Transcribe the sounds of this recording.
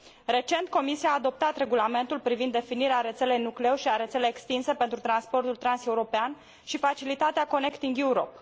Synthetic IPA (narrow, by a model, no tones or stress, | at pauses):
re̞t͡ʃe̞nt̪ko̞misiaːd̪o̞p̚t̪at̪ɾe̞ɡulame̞nt̪ulpɾivind̪ːe̞finiɾeaɾe̞t̪se̞le̞jnuklewʃiaɾe̞t̪se̞lejːekst̪inse̞pe̞nt̪ɾut̪ɾanspo̞rt̪ult̪ɾanse̞uɾo̞pean | ʃifat͡ʃilit̪at̪eako̞ne̞kt̪iŋɡjuuɾo̞̰p